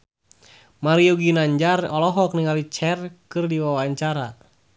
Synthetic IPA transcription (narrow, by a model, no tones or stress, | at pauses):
maɾiuɡinaɲd͡ʒarɔlɔɦɔk̚niŋalit͡ʃɛrkɨrdiwawaaɲt͡ʃaɾa